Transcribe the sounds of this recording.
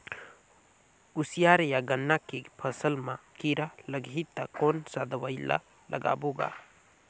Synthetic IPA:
usijaɾjaɡənːakepʰəsəlmãkiɾaləɡit̪ːakonsad̪ɐwajla̰ | lɐɡa̰ːboɡa̰

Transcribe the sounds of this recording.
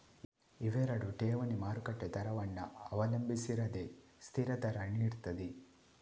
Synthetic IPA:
iʋeɾɐɽuʈeːʋɐnimaːɾukɐʈːet̪ɐɾɐʋɐnːɐɐʋɐlɐmbisiɾɐd̪e | st̪ʰiɾɐt̪ɐɾɐniːɽt̪ɐd̪i

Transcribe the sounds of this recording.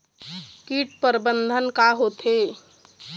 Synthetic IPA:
kiʈpəɾbənd̪ʱənkaɦot̪ʰe

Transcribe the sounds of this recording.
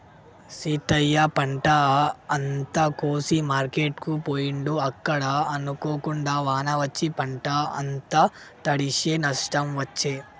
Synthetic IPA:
siːʈɐjːɐpɐɳʈɐɐnt̪ɐkoːsimaːɾkeːʈkupoːjiɳɖuɐkːɐɽɐɐnukoːkuɳɖaːʋaːnɐʋɐt͡ʃːipɐɳʈɐɐ̰nt̪ɐ | t̪ɐɽiʃeːnɐʂʈɐmʋɐt͡ʃːeː

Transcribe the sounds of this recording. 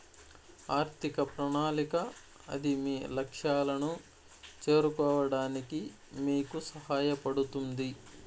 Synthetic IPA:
aːɾt̪ʰikɐpɾɐɳaːlikɐ | ɐ̰d̪imiːlɐkʂjaːlɐnu | t͡ʃe̞ːɾukɔːʋɐɽaːniki | miːkusɐɦaːjɐpɐɽut̪und̪i

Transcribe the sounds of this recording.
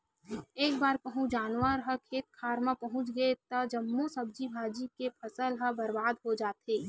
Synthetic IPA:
eːkbaːɾkɐɦũd͡ʒaːnwəɾɦɐkʰeːt̪̚kʰaːɾmapɐɦʊ̃t͡ʃɡəet̪ɐd͡ʒɐmːosɐb̚d͡ʒibʱaːd͡ʒikepʰɐsəlɦəbɐɾbaːd̪ɦod͡ʒaːt̪ɦeː

